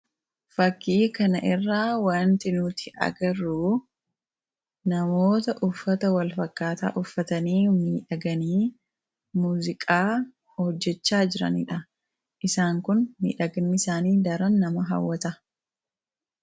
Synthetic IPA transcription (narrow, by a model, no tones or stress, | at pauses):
fɐkʰːiːkɐnɐʔɪrːaːwaːnt̪ɪnuːt̪ʰɪʔɐ̰ɡɐɾuː | nɐmo̞ːt̪ɐʔʊfːɐt̪ɐwɐlfɐkːaːt̪a̰ːʔʊfːɐt̪ɐniːmiːᶑɐɡɐniː | muːzɪkʼaː | hɔd͡ʒːɛt͡ʃːaːd͡ʒɪɾɐ̰nɪ̰ᶑɐ | ʔɪsaːŋkʊnmḭːᶑɐɡnːɪsaːniːd̪ɐɾɐnːɐmɐɦɐ̰wːɐt̪ɐ